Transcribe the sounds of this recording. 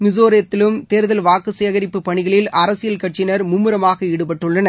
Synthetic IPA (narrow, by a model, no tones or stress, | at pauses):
mɪzoːɾɪjɐt̪ːɪlɯmt̪eːɾɯðɐlʋaːkɯseːɣɐɾɪpːɯpːɐɳɪɣɐɭɪlʔɐɾɐsɪjɐlkɐʈ̚t͡ʃːɪnɐɾmʊmːɯɾɐmaːɣɐɛɽɯpɐʈːɯɭːɐnɐ